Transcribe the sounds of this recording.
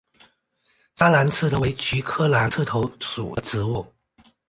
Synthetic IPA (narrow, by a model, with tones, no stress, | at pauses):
sa˥la˧˥nt͡s̩ʰ˥˩t̪ʰo˧˥we˧˥ɪt͡ɕy˧˥kʰɤ˥la˧˥nt͡sʰɹ̩˥˩t̪ʰo˧˥ʊʂṵ˨˩ə˦ʈ͡ʂɻ̩˧˥wu˥˩